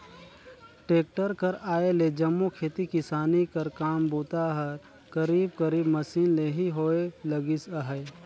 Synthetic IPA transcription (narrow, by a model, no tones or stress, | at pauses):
ʈeːk̚ʈəɾkɐɾaːeled͡ʒɐmːukʰeːt̪ikɪsaːnikɐɾkaːmbuːt̪aɦɐɾ | kɐɾiːb̚kɐɾiːbmɐsiːnleɦiɦoːelɐɡɪsəɦəj